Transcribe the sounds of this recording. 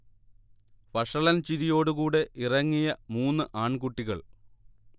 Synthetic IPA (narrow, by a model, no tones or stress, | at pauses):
fɐʂɐɭɐnt͡ɕiɾijo̞ːɽɨkuːɽe̞ʔirɐŋːijɐmuːnːɨʔaːɳkuʈːiɣɐ̰ɭ